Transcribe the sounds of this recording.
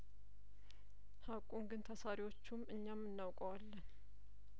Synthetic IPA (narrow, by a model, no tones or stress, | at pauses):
hakʼuŋɡɨnt̪ʰasaɾiwo̞t͡ʃːumɨɲːamːɨnːawkʼəwalːən